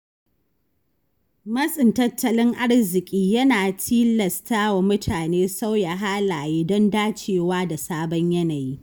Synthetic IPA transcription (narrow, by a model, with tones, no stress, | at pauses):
mɐ˦sʼɪ˨ntɐ˦tːɐ˦lɪ˦ŋʔa˦ɽzɪ˨kʲʼiː˦jɐ˦naː˨tʰiː˦lɐ˨staː˦wa˨mʊ˦tʰaː˨neː˦sa˦wja˨ɦaː˦laː˨jɪ˦dɔ˦ndaː˦t͡ʃeː˨waː˦da˨saː˦bɔ˦ɲjɐ˦naː˨jiː˦